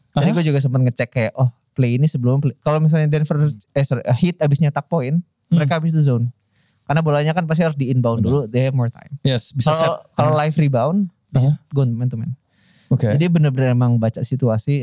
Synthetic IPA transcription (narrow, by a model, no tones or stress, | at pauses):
d͡ʒadiɡuad͡ʒuɡas̬əmpət̪̚ŋət͡ʃɛkːajaʔɔh | pleinisəbəlumaplekalomis̬alɲadɛnfərəsɔɾʔəhɪt̪abɪsɲat̪ak̚pɔɪn | məɾekaːbɪs̬t̪uzon | karnabolaɲakanp̬ast̪iɾʊsdiɪnbaʊnduludemɔrt̪a̰jmjɛsalkalolajfribaʊn | bisɡont̪umɛnt̪umɛn | oked͡ʒadibənərbənərmemaŋbat͡ʃasit̪uasi